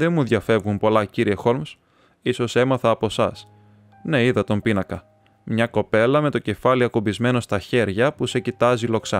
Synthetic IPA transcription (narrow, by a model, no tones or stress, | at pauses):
ðe̞nmuðʝɐfe̞vɣumpo̞lɐciɾie̞xo̞lms | iso̞se̞mɐθɐːpo̞sɐ̰s | ne̞iðɐt̪o̞mpinɐkɐ | mɲɐko̞pe̞lɐme̞t̪o̞ce̞fɐliɐkubizme̞no̞st̪ɐçe̞ɾʝɐpuse̞cit̪ɐzilo̞ksɐ̰